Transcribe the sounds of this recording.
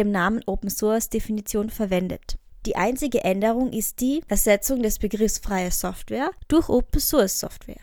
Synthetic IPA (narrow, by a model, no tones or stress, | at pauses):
eːmnaːmənʔoːpm̩sʊɐsd̥efinit͡sjoːnfɛɐvɛndə̰td̥iːʔa̰ɪnt͡sɪɡəʔɛndəʁʊŋʔɪst̚d̥iːʔɛɐzɛt͡sʊŋdɛsb̥əɡʁɪfsfʁ̥aɪəsɔftv̥ɛːɐd̥ʊɐçʔoːpm̩sʊɐsːɔ̰ftv̥ɛ̰ːɐ